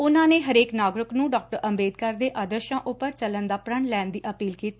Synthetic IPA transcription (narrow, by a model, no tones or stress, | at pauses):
ʊnãːneːɦəɾeːknaːɡɾɪknũːɖaːk̚ʈəɾəmbeːd̪kəɾd̪eːʔaːd̪əɾʃãːʔʊpəɾt͡ʃələnd̪aːpɾəɳlɛːnd̪iːʔəpiːlkiːt̪iː